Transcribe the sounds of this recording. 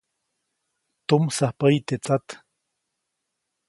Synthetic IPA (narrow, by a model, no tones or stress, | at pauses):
t̪umsahpəjt̪et͡sat̪